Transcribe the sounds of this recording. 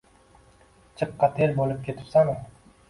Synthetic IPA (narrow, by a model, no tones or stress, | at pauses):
t͡ʃʰɨqːɑt̪ʰeɾbolˠɨp̚kʲʰet̪ʰɪ̥psaŋ